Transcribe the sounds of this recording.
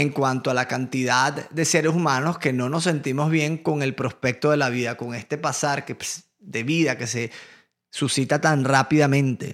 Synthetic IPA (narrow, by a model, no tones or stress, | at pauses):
e̞ŋkwant̪oalakant̪iðad̪d̪e̞seɾesumãno̞ske̞no̞no̞s̬ːe̞nt̪imo̞zβje̞ŋko̞ŋe̞lpɾo̞spe̞k̚t̪o̞ð̞e̞laβiðako̞ŋe̞st̪e̞pasaɾkes | d̪e̞βiðake̞se̞ | susit̪at̪anrapiðamẽnt̪e̞̰